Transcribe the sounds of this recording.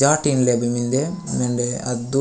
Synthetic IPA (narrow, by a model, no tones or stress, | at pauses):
aːʈinlebimind̪emend̪eɐd̪u